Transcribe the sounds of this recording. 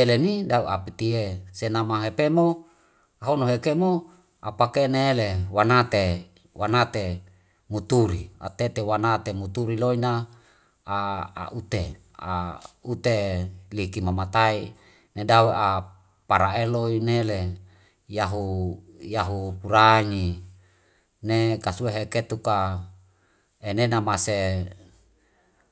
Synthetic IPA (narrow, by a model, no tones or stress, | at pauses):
elenidauapit̪iesenamaɦepemo | aɦonoɦekemo | apakeneːlewanat̪e | wanat̪e | mut̪uɾia̰t̪et̪ewanat̪emut̪uɾiloina | aa̰ʔut̪e | a̰ut̪elikimamat̪ai | nedawea | paɾaeloinele | jaɦujaɦupuɾaɲi | nekasueɦeket̪uka | enenamase